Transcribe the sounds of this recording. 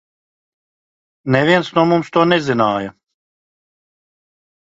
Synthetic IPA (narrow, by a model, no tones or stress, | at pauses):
nɛviɛnt̪snuɔmumst̪uɔnɛzinaːjɐ